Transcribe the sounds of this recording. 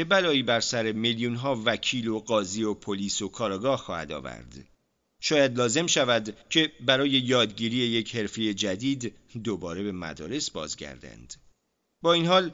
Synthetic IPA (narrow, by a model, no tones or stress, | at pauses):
bebælɒːiːbæɾsæɾe̞meljunɦɒːvæcʰiːlo̞ɡɒːziːo̞pʰoliːso̞kʰɒːɾɒːɡɒːhxɒːhæ̰d̪ɒ̰ːvæ̰ɾd̪ | ʃɒːjæd̪lɒːze̞mʃævæd̪cʰe̞bæɾɒːje̞jɒːd̪ɟiːɾiːe̞jecʰhe̞ɾfe̞je̞d͡ʒæd̪iːd̪ː | obɒːɾe̞be̞mæ̰d̪ɒ̰ːɾe̞sbɒ̰ːzɟæ̰ɾd̪æ̰nd̪̥ | bɒːinhɒːl